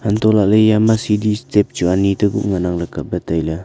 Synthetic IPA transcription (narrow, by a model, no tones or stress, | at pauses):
hant̪ɔlaʔləjamasidistep̚t͡ʃuanit̪əɡṵʔŋanaŋləkap̚bət̪ajla